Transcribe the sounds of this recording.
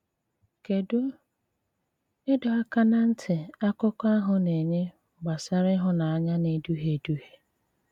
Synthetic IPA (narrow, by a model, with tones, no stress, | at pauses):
ke˨dʊ˦ | e˦dɔ˨a˦ka˦na˨n̩˦tʰɪ˨a˦kʊ˦ka˦ɦʊ˨ne˨ɲe˦ | ɡ͡ba˨sa˦ɾɪ˦ɦʊ˦na˨a˦ɲa˦ne˦du˦ɦe˨du˦ɦe˨